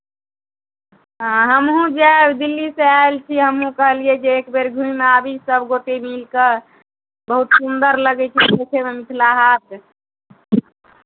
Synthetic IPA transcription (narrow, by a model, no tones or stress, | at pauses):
ɦãɦəmɦũd͡ʒabd̪ilːiseaelt͡ʃʰiɦəmɦũkəɦlied͡ʒeːkbeɾɡʱũimeabʱisəbɡoʈemilke | bəɦut̪sund̪əɾləɡɛt͡ʃʰiotʰememit̪ʰlaɦat̪